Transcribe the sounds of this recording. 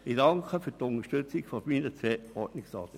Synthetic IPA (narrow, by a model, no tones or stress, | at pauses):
idɑŋkʰəfyːtʊntəʃtʏt͡sɪɡfomiːnət͡sʋɛɔɹtnɪksɑ̰ːt̪ə